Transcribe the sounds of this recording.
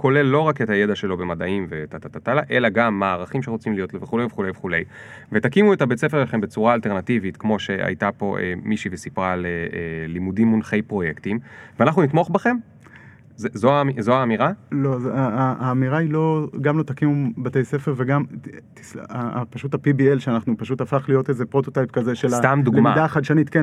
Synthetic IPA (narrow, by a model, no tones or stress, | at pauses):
kʰo̞lelːo̞ʁake̞t̪aje̞daʃe̞lo̞be̞madaimvet̪atat̪at̪alaʔe̞laɡamːaaːʁaχimʃeʁot͡simlijo̞tleveχule̞jveχule̞jveχule̞j | ve̞takimuetabet͡se̞feʃeaχe̞mbet͡suʁaːlte̞ʁnativit̪kmo̞ʃe̞ʔa̰jtapo̞ʔḛmiʃivesipʁaleelimudimːunχe̞jpʁo̞jektimveanaχnunit̪moχbaχe̞m | zezoamizoaːmiʁalo̞zaaaːmiʁailo̞ɡamlo̞t̪akimubat̪ejse̞feʁveɡamt̪i̥slaa̰paʃutapibielʃeanaχnupaʃut̪afaχlijo̞teze̞pʁo̞t̪ot̪ajpkaze̞ʃelat̪amd̪uɡemadaχad̪ʃanitken